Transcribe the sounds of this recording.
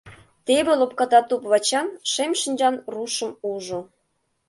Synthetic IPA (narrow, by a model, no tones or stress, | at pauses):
t̪ebĕlop̚kɑt̪ɑt̪upβɑt͡ɕɑnʃemʃənʲd͡ʑɑnruʃə̆muʒŏ